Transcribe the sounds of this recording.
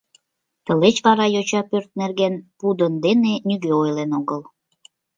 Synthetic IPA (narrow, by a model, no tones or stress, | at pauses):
t̪əlet͡ɕβɑɾɑjot͡ɕɑpørt̪̚nerɣenpud̪ənd̪enenyɡøojlenoɣəl